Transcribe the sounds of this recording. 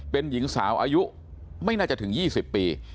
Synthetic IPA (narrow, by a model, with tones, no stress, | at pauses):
pe˧nji˨˩˦ŋsaː˩˦wʔaː˧ju˦˥ʔ | ma˥˩jnaː˥˩t͡ɕa˨˩t̪ʰɯ˩˦ŋjiː˥˩si˨˩pːiː˧